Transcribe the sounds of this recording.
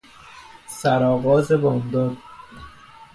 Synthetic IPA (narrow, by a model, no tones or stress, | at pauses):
sæɾɒːɣɒːzebɒːmd̪ɒːd̪̥̚